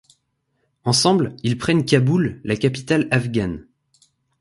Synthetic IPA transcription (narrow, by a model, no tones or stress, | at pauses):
ɑ̃sɑ̃blilpχɛnkʲabulːakapi̥t̪alafɡʲan